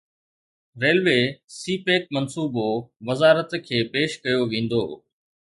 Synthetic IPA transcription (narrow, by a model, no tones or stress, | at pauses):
ɾeːlʋeːsiːpeːk̚mɐnsuːboʋɐzaːɾət̪kʰeːpeːʃkɐjoʋẽːn̆d̪o̰ː